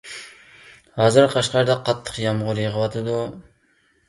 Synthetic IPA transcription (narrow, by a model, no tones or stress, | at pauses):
ɑːzɨɾqʰɑʃqɑɾd̪ɑqʰɑt̪ʰːə̥qjɑmʁʊɾjəʁəwɑt̪ʰɨd̪u